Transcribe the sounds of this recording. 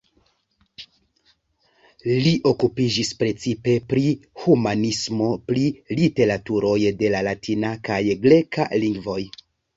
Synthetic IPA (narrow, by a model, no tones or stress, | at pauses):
liʔo̞kupid͡ʒispɾe̞t͡sipe̞pɾihumanismo̞pɾilite̞ɾatuɾo̞jde̞lalatʰinakajɡɾe̞ka̰liŋɡvo̞j